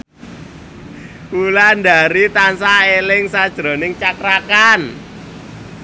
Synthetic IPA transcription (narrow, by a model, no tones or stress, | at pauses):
uland̪aɾit̪ansaelɪŋsad̥ʒ̥ɾo̤nɪŋt͡ʃakɾakan